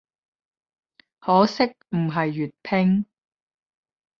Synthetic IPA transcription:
hɔː˨˥sɪ˥k̚m̩˨˩ɦɐ˨jːy˨t̚pʰɪ˥ŋ

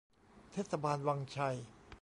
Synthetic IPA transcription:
t̪ʰeː˥˩t̪sʰa˧baː˧nwaː˧ŋt͡ɕʰa˧j

